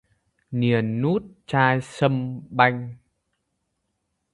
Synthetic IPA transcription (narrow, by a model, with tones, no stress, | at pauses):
ni˨˩ənːu˦˥t̚t͡ɕaː˧jsə˧mɓa˧jŋ̟